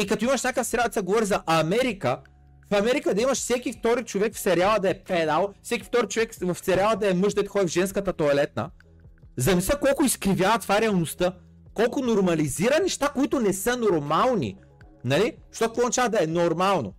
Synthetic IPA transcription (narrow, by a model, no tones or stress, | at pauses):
ikɐt̪oimɐʃnʲakəfsɛɾalˠd̪ɛsɡovɔɾizɐʔɐmɛɾikə | fɐmɛɾikəd̪ɐimɐʃfsɛkift̪ɔɾit͡ʃovɛkfsɛɾʲalˠəd̪ɐɛpɛd̪alˠfsɛkʲift̪ɔɾit͡ʃovɛkvɐft̪sɛɾʲalˠəd̪ɐɛmɤʒd̪ɛt̪xɔd̪ivʒɛnskət̪ət̪oɐlɛt̪̚nə̰ | zɐmisɛkɔlˠkʊiskɾivʲjavɐt̪vaɾɛɐlˠnost̪ə | kɔlˠkʊnoɾmɐliziɾənɛʃt̪akoit̪ʊnɛsənoɾmalˠnḭ | nɐliʃt̪ɔkɐkvɔzɐt͡ʃavəd̪ɐɛnoɾmalˠno̰